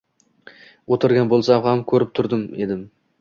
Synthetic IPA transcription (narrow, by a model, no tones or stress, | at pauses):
wot̪ɪɾɡʲanbolˠsahamkʲʰɵɾɪp̚t̪ʰʊɾd̪ɪme̞d̪ɪm